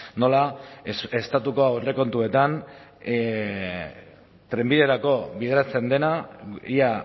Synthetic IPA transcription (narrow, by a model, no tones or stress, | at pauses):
no̞la | e̞st̪at̪uko̞awre̞ko̞nt̪ue̞t̪an | t̪ɾe̞mbiðe̞ɾako̞βið̞eɾat͡se̞nd̪e̞naia